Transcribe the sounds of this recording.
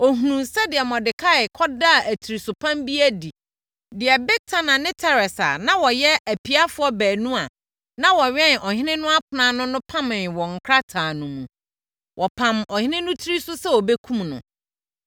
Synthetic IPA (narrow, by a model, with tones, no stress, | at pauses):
ɔ˨ɦu˨nũ˨sɛ˦dɪ˨ɛ˨mɔ̃˨dɪ˨kʰa˦˨ɪ˨kʰɔ˦da˦˨æ˨tʰi˨ɾi˨sʊ˨pʰã˦mbi˦æ˦di˨ | dɪ˨ɛ˨bɛ˦tʰa˦nã˨nɪ̃˦tʰa˦˨ɾɛ˨sa̰˨nã˦wɔ˨jɛ˦æ˨pʰi˦a˦fʊ˦ɔ˦bæː˨nũ˦a˨ | nã˦wɔ˨ɥɛ̃˦nʔɔ˨hɪ̃˦nɪ̃˦nʊ̃˦a˦kʰʊ˨nã˦nʊ̃˦nʊ̃˦pʰã˦mɪ̃˨wɔ̃˨ŋ̩˨kʰɾa˦tʰaː˨nũ˨mũ˨ | wʔɔ˨pʰã˨mɔ˨hɪ̃˦nɪ̃˦nʊ̃˦tʰi˦ɾi˦sʊ˦sɛ˦wɔ˨be˦kʰũ˦mnʊ̰̃˨